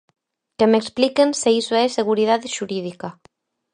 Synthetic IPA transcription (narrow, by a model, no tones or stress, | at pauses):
kemeksplikenseisoɛseɣ̞uɾiðaðeʃuɾið̞ika